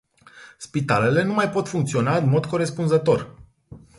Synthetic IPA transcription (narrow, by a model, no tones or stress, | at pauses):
spit̪ale̞le̞numajpo̞t̪fuŋkt̪sio̞naɨnmo̞d̪ko̞ɾe̞spunzət̪o̞r